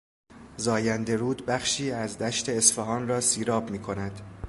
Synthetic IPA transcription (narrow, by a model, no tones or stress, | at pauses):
zɒːjænd̪e̞ɾuːd̪bæχʃiːæzd̪æʃt̪ʰeːsfeɦɒːnrɒːsiːɾɒːbmiːkʰo̞næd̪̥